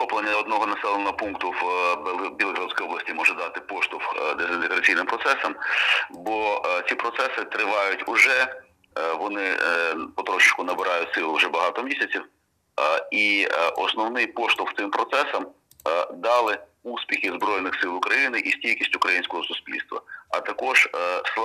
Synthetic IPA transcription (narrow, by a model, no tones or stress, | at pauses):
xɔplˠenʲːɐɔd̪nɔɦɔnɐsɛlˠenɔɦɔpunkt̪ʊw | bʲilˠɦɾɐsʲkɔjɔblˠɐsʲtʲimɔʒɛd̪ɑt̪ɪpɔʃt̪ʊwd̪ezɪnt̪eɣɾɐt͡sʲijnɪmpɾɔt̪sɛsɐmbɔt͡sʲipɾɔt̪sɛsɪt̪ɾɪʋɑjʊtʲʊʒɛ | ʋɔnɪpɔt̪ɾɔʃɪt͡ʃkʊnɐbɪɾʔɑjʊtʲsɪlˠʊʒɛbɐɦɑt̪ɔmʲisʲɐt͡sʲiw | iʔɔ̰snɔwnɪjpɔʃt̪ʊft̪ɪmpɾɔt̪sɛsɐm | d̪ɑlˠɪuspʲixʲɪzbɾɔjnɪxsɪlˠʊkɾɐjinɪʔisʲtʲijʲkʲisʲtʲʊkɾɐjinʲsʲkɔɦɔsʊsʲpʲilʲst̪ʋɐ̰ɐt̪ɐkɔʒ̥sˠ